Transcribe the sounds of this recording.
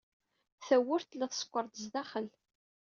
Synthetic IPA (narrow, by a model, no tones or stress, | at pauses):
θæwːʊɾt̪lːæθə̥sˤə̥kʷːəɾˤt̪əzd̪æχəl